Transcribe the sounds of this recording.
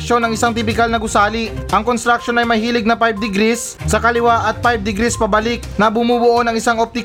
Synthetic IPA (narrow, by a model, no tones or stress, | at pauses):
kʃo̞nɐŋɪsaŋt̪ɪpɪkalnɐɡʊsaːliʔɐŋkonst̪ɾɐk̚ʃo̞nɐjmɐjhiːlɪɡ̚nɐpajb̚d̪ɪɡɾisːɐkɐlɪwaʔɐt̪̚pajb̚d̪ɪɡɾispɐbɐlɪk̚nɐbʊmubʊʔo̞nɐŋɪsaŋʔop̚t̪ɪk